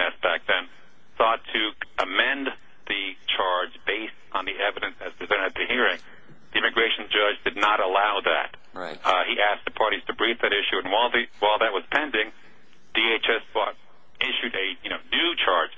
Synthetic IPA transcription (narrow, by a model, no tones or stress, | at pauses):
ɛsb̥æk̚ðɨ̃n | sɔtʰɨəmɛ̃n | ðɨt͡ʃʰɑɹd͡ʒbeɪstn̩ðiɛvɨɾɨ̃nsɨz̥pʰɹ̥ɨzɛ̃ɾ̃ɨt̪̚ðɨhiɹɪ̃ŋ | ðiɪ̃mɨɡɹeɪʃn̩d͡ʒʌd͡ʒdɨdⁿnəɾəlaʊðɨ̰t̚ | ɹiʔæsk̚ðɨpʰɑɹɾiz̥tʰɨbɹivðɨɾɪʃʉɨ̃nwaɪlˠðɨwaɪlˠðɨt̚wʌz̥pʰɛ̃ndɪ̃ŋ | ð̥ieɪt͡ʃɛsfɔɾ̚ | ɪʃʉɾɨjɨnoʊnʉt͡ʃʰɑɹ̥d͡ʒ̥